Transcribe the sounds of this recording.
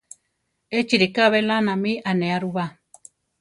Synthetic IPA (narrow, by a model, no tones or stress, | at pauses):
et͡ʃiɾikaβelanãmĩʔanẽaɾuβa